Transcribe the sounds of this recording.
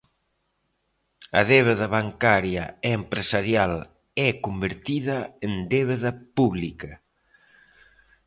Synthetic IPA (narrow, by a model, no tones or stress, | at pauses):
ɐ̰ðeβeðaβaŋkaɾjaeːmpɾesaɾjal | ɛkumbeɾt̪iðɐend̪eβeðɐpuβlikɐ